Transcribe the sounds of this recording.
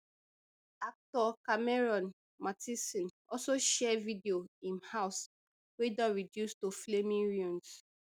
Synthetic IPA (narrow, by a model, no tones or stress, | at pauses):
ak̚tɔkamɛɹɔ̃n | matʰisĩn | ɔsoʃɛvidioĩnhaʊs | wedɔ̃nɹidjustoflemĩnɹũns